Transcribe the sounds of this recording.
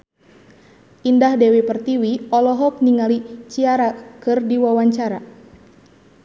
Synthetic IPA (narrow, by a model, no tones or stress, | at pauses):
ʔindahdɛwipərt̪iwiɔlɔɦɔk̚niŋalit͡ʃiaɾakɨrdiwawaɲt͡ʃaɾa